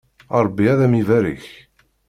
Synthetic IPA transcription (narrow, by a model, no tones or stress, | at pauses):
ɑɾˤbːiæðæmivæɾḭç